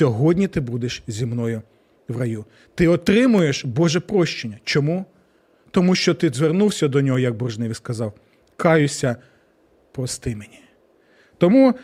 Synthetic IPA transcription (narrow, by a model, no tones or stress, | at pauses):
ɔɦɔdʲnʲit̪ɪbud̪eʃzʲimnɔjʊ | ʋrɐju | t̪ɪɔt̪ɾɪmʊjeʃbɔʒɛpɾɔʃt͡ʃenʲːɐt͡ʃɔmu | t̪ɔmuʃt͡ʃɔt̪ɪzʋernuwsʲɐd̪ɔnʲɔɦɔjɐɡ̚bɔrʒnɪʋʲiskɐzɑw | kɑjʊsʲɐ | pɾɔst̪ɪmenʲi̥ | t̪ɔmu